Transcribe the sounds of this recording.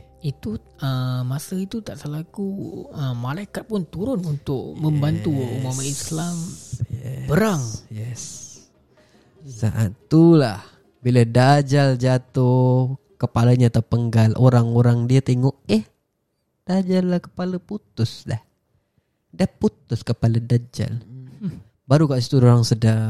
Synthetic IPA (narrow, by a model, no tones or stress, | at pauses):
it̪u | əmasəit̪ut̪aʔsəlaɡuəmalaikat̪̚pʊnt̪uɾʊnunt̪ʊk̚məmbant̪uumamaʔislamjɛ̰bəɾaŋjɛs | sa̰ʔa̰ulah | biladad͡ʒald͡ʒat̪o | kəpalaɲaːt̪apəŋɡalʔoɾaŋoɾaŋdiat̪eŋɔʔɛh | d̥ad͡ʒalːahkə̥palaput̪ʊsdah | dahput̪ʊskəpaladad͡ʒa̰l | baɾukaʔsi̥t̪uɾioɾaŋsəda